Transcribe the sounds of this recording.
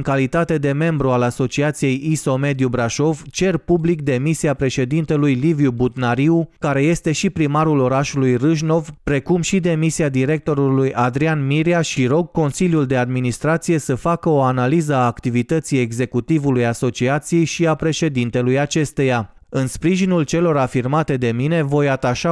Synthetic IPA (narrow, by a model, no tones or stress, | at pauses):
ŋkalit̪at̪e̞d̪e̞me̞mbɾualaso̞t͡ʃiat̪sije̞jiso̞me̞d̪jubɾaʃo̞vt͡ʃe̞rpublik̚d̪e̞misiapɾe̞ʃe̞d̪int̪e̞lujlivjubut̪naɾiukaɾe̞je̞st̪e̞ʃipɾimaɾulo̞ɾaʃulujrɨʒno̞vpɾe̞kumʃid̪e̞misiad̪iɾe̞k̚t̪o̞ɾulujʔad̪ɾianmiɾiaʃiɾo̞ɡ̚ko̞nsiljuld̪e̞ad̪minist̪ɾat̪sije̞səfakəo̞analizəaːkt̪ivit̪ət̪sije̞ɡze̞kut̪ivulujaso̞t͡ʃiat̪sije̞jʃiapɾe̞ʃe̞d̪int̪e̞lujat͡ʃe̞st̪e̞ja | ɨnspɾiʒinult͡ʃe̞lo̞ɾafirmat̪e̞d̪e̞mine̞vo̞jat̪aʃa